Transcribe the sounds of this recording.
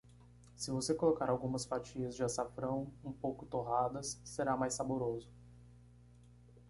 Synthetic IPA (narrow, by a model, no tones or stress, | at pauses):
sɪvosekolokaɾawɡũmɐsfat͡ʃiɐzd͡ʒɪasafɾɐ̃w̃ũpowkʊt̪oɦad̪ɐsːeɾamajsaboɾozʊ